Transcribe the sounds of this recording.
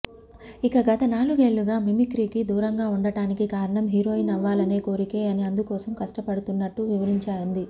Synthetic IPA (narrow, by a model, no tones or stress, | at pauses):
ikɐɡɐt̪ɐnaːluɡe̞ːɭːuɡaːmimikɾiːkid̪uːɾɐŋɡaːuɳɖɐɽaːnikikaːɾɐɳɐmɦiɾo̞ːinɐʋːaːlɐne̞ːko̞ːɾike̞ːɐniɐnd̪ukɔːsɐmkɐʂʈɐpɐɽut̪unːɐʈːuʋiʋɐɾiɲt͡ʃaːɾɐnd̪i